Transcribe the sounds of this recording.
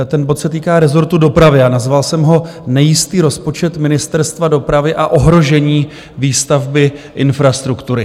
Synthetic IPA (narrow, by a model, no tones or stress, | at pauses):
t̪ɛnbo̞t̪sɛt̪iːkaːɾɛzo̞ɾt̪udo̞pɾavɪanazvalsɛmɦo̞nɛjɪst̪iːɾo̞spo̞t͡ʃɛt̪mɪnɪst̪ɛɾst̪vado̞pɾavɪʔaʔo̞ɦɾo̞ʒɛɲiː | viːst̪avbɪʔɪnfɾast̪ɾukt̪uɾɪ